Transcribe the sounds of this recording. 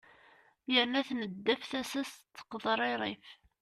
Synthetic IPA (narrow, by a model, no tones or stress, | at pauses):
jəɾnæθnəd̪ːæfθæsæst̪ːə̥qðˤɾˤiɾˤif